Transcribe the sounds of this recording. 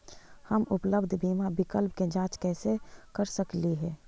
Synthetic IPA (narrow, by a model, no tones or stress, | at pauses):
həmʊpləbd̪ʱbʱiːmabɪkəlp̚ked͡ʒãːt͡ʃkɛːsekəɾsəkliɦɛː